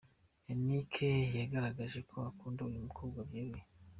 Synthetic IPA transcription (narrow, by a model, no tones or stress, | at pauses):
enikʰejeɡaɾaɡaʒe̞kʰo̞akuːndeujumukʰobɡwabjiɾwe